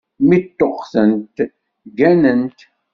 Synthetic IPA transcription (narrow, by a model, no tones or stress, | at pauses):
mit̪ːoqθənt̪ | ɡænənt̪